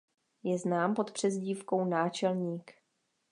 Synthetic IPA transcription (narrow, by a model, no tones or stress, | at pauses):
jɛznaːmpo̞t̪pr̝̥ɛzɟiːfko̞wnaːt͡ʃɛlɲiːk